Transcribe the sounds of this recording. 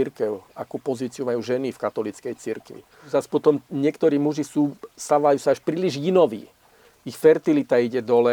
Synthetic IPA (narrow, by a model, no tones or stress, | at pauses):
iɾkɛʊakuːpɔziːt͡siumajuːʒɛnifkat̪ɔlit͡skɛjt͡siɾkʋḭ | zaspɔt̪ɔmɲɪɛkt̪ɔɾiːmuʒisuːst̪aʋajuːsaaʃpɾiːliʒinɔʋḭː | ixfɛɾt̪ilit̪aiɟɛd̪ɔlɛ